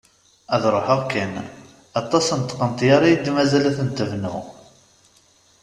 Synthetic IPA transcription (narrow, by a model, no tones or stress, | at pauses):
æðɾˤoħaʁkːæn | ɑt̪ˤːɑsənt̪qənt̪jaɾˤɑjid̪mæzælæθənt̪əvnṵ